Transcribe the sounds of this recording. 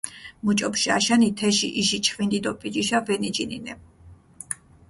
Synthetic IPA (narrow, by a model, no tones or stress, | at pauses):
mut͡ʃʼɔpʃia̰ʃanit̪ʰɛʃiʔiʃit͡ʃʰχvind̪id̪ɔpʼid͡ʒiʃavɛnid͡ʒininɛ